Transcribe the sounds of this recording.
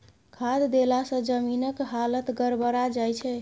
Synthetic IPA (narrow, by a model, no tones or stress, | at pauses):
kʰad̪d̪elasə̃d͡ʒəminəkɦalət̪ɡəɾbəɾad͡ʒajt͡ʃʰɛ